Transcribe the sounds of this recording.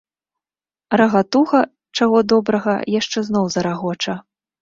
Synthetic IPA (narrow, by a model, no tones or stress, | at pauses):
rɐɣat̪uɣɐ | t͡ʂaɣɔd̪ɔbɾɐɣɐ̰jaʂt͡ʂɛznɔwzɐɾaɣɔt͡ʂɐ